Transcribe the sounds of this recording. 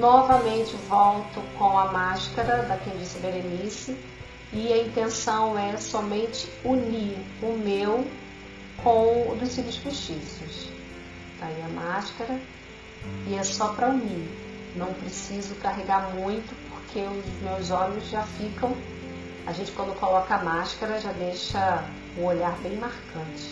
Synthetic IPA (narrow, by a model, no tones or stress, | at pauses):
nɔvɐmẽnt͡ʃɪvɔwt̪ʊkõw̃ɐmaʃkɐɾɐd̪ɐkẽd͡ʒĩsɐbelenisɪ | ɪɐĩnt̪ẽsɐ̃w̃ɛsɔmẽnt͡ʃɪ̥uniɾ | ʊmew | kʰõw̃ʊd̪ʊssibʊsfeʃt͡ʃisjʊs | t̪aiɐmaʃkaɾɐ | ɪɛsɔpɾɐuni | nɐ̃w̃pɾesizʊkaɦeɡaɾmũj̃t̪ʊpoɾkʰeʊzmewzɔ̃mẽjzʒafikɐ̃w̃ | a̰ʒẽnt͡ʃɪkɐ̃nd̪ʊkolɔkɐamaʃkaɾɐʒad̪ejʃɐ | ũoʎaɾbẽj̃maɾkɐ̃t͡ʃɪ̥